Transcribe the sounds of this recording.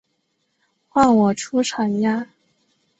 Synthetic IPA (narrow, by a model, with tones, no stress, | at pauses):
xwa˥˩ŋwɔ˨˩ʈ͡ʂʰu˥ʈ͡ʂʰɑ˨˩˦ŋja˥˩